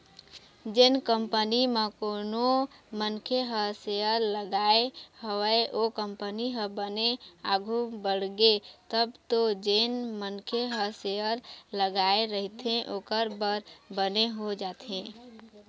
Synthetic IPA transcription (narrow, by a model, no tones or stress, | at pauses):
d͡ʒɪnkəmpənimẽkoːnomənkʰeɦəseəɾləɡaehəəeʔokə̃mpəniɦə̃bənea̰ɡʱubəɽɡet̪əbt̪od͡ʒenmənkʰeɦəseəɾləɡaeɾəɦit̪ẽʔoːkəɾbəɾbəneɦod͡ʒaːt̪ẽ